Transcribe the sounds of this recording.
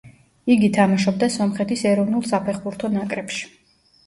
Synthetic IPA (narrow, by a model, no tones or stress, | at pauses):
iɡit̪ʰamaʃɔb̚d̪asɔmχɛt̪ʰisɛɾɔvnulˠsapʰɛχbuɾt̪ʰɔnakʼɾɛpʃi̥